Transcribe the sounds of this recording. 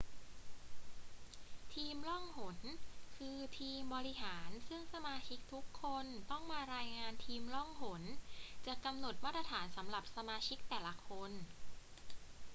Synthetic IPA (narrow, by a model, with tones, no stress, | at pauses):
t̪ʰiː˧mlɔ˥˩ŋho˩˦nkʰɯː˧t̪ʰiː˧mbɔː˧ɾi˦˥ɦaː˩˦nsɯ˥˩ŋsa˧maː˧t͡ɕʰi˦˥k̚t̪ʰu˦˥kʰːo˧nt̪ɔ˥˩ŋmaː˧ɾaː˧jŋaː˧nt̪ʰiː˧mlɔ˥˩ŋɦo˩˦nt͡ɕa˨˩ka˧mno˨˩t̪̚maː˦˥˩t̪̚ʰːɾa˧t̪ʰaː˩˦nsa˩˦mɾa˨˩p̚sa˧maː˧t͡ɕʰi˦˥k̚t̪ɛː˨˩la˦˥kʰo˧n